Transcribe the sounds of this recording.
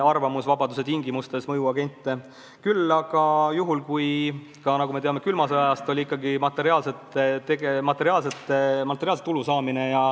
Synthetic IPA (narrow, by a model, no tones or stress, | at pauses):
ɑrvɑmusvɑbɑd̪use̞t̪iŋɡimust̪e̞smɤjuɑɡ̥e̞nʲt̪ˑːe | kylːɑɡ̥ɑjuɦulkuj | kɑnɑɡumeeɑme̞kylmɑseɑjɑst̪o̞lʲiikˑːɑɡimɑt̪ːˑe̞ɾiɑːlset̪t̪eɡemɑt̪ːˑe̞ɾiɑːlset̪ːˑmɑt̪ːˑeɾiɑlset̪ːulusɑːmine̞jɑ